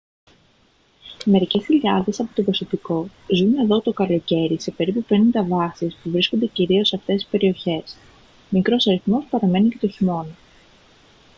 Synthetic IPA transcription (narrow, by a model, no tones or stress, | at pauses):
me̞ɾice̞sçiʎiɐðe̞sɐpo̞t̪o̞pɾoso̞piko̞zune̞ðo̞t̪o̞kɐlo̞ce̞ɾise̞pe̞ɾipupe̞nind̪ɐvɐsispuvɾisko̞nd̪e̞ciɾio̞seɐft̪esi̥spe̞ɾio̞çe̞s | mikɾo̞sɐɾiθmo̞spɐɾɐme̞nicet̪oçimo̞nɐ